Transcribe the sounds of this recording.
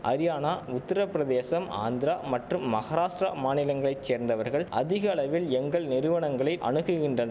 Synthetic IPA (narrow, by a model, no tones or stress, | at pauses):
ʔɐ̰ɾɪjaːnaːʊt̪ːɪɾɐpːɾɐðeːsɐma̰ːnd̪ɾaːmɐʈrɯmːɐɣɐɾaːʂʈɾa̰maːnɪlɐŋɡɐɭɐɪt͡ʃseːɾnd̪ɐʋɐɾɣɐɭɐ̰ðɪɣɐɐɭɐʋɪlɛŋɡɐɭnɪɾɯʋɐɳɐŋɡɐɭɐɪʔɐ̰ɳɯɣɯɣɪndrɐnɐ